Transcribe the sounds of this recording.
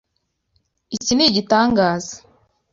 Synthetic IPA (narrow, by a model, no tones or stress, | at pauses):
iciniɟitaːŋɡaːzḁ